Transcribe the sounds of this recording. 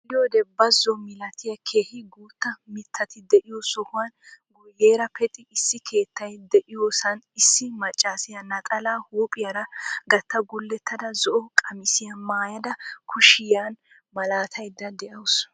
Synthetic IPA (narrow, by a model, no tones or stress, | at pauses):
lːɪjod̪ɛbɐzːɔmɪlɐt̪ʰɪjɐkʰe̞ːhɪɡuːt̪ːɐmɪt̪ʰːɐt̪ɪd̪ɛʔɪjosɔhʊwanɡʊjːeːɾɐpʰɛt̪ʼɪɪsːɪkʰe̞ːt̪ːɐjd̪ɛʔɪjoːsɐnɪsːɪmɐt͡ʃʼːaːsɪjɐnɐt̪ʼɐlaːhuːpʼɪjɐɾɐɡɐt̪ːɐɡʊlːɛt̪ʰːɐd̪ɐzɔʔɔkʼɐmɪsɪjɐmaːjɐd̪ɐkʰʊʃɪjan | mɐlaːt̪ʰɐjd̪ːɐd̪ɛʔɐws